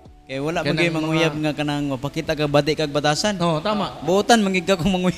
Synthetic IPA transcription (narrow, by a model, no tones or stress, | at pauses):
kajwalaʔaɡɪmaŋujab̚ŋakanaŋmapakit̪aʔkaɡ̚bad̪ɪʔkaɡ̚bat̪asanot̪amaʔbuʔut̪anmaŋɡid̚kakoŋmaŋuj